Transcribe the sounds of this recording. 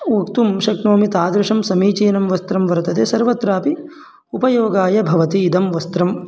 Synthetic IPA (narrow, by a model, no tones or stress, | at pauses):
ukt̪umʃɐknoːmit̪aːd̪ɾɐʂɐmsɐmiːt͡ʃiːnɐmʋɐst̪ɾɐmʋɐɾt̪ɐt̪eːsɐɾʋɐt̪ɾaːpi | upɐjoːɡaːjɐbʱɐʋɐt̪iːd̪ɐmʋɐst̪ɾɐm